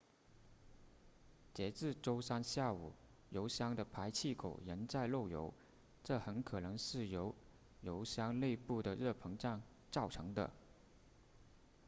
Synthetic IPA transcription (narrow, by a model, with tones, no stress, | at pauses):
t͡ɕjɛ˧˥t͡sɹ̩˥˩ʈ͡ʂo˥ʊsa˥nɕja˥˩u˨˩˦ | jo˧˥ʊɕjɑ˥ŋd̪ə˨pʰa˧˥ɪt͡ɕʰi˥˩kʰo˨˩ʊjə˧˥nt͡sa˥˧ɪlo˥˩ʊjo̰˧˥ʊ | ʈ͡ʂɤ˥˩xə˧˥nkʰɤ˨˩nɤ˧˥ŋʂɻ̩˥˩jo˧˥ʊ | jo˧˥ʊɕjɑ˥ŋle˥˧ɪpu˥˩d̪ə˩ɻɤ˥˩pʰɤ˧˥ŋʈ͡ʂa˥˧ŋ | t͡sɑ˥˩ʊʈ͡ʂʰɤ˧˥ŋd̪ə̰˧